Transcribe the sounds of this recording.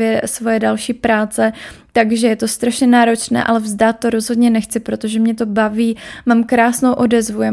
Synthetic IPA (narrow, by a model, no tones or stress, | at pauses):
jɛsvo̞jɛdalʃiːpɾaːt͡sɛt̪aɡʒɛjɛt̪o̞st̪ɾaʃɲɛnaːɾo̞t͡ʃnɛ̰ːʔalɛvzdaːt̪̚ːoɾo̞zɦo̞dɲɛnɛxt͡sɪpɾo̞t̪o̞ʒɛmɲɛt̪o̞baviːmaːmkɾaːsnowʔo̞dɛzvujɛ